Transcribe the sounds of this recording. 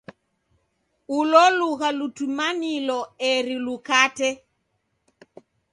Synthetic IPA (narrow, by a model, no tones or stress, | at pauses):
ulɔluɣalutimanilɔɛɾilukatɛ